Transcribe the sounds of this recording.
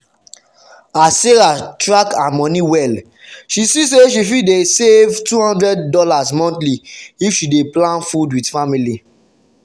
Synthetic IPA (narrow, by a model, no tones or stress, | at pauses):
aseɹatɹakãnmɔniwɛl | ʃisis̬eʃifidesevtuhɔ̃ndɹɛddɔlas̬mɔ̃ntliifʃideplãnfudwidfamili